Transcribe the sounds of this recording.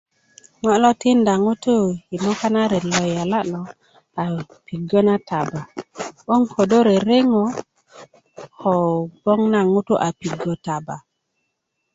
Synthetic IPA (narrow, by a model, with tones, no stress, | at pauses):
ŋɔ˦lɔ˦ti˦nda˨ŋu˦tu˦i˨mo˦ka˦na˦ɾe˨lɔ˨ja˨la˦ʔlɔ˨ | a˨ | pi˨ɡo˦na˦ta˨ba˨ɓo˦ŋko˨do˦ɾe˨ɾe˦ŋo˨ | ho˨bo˦ŋna˦ŋu˦tu˦ʔa˨pi˨ɡo˨ta˨ba˨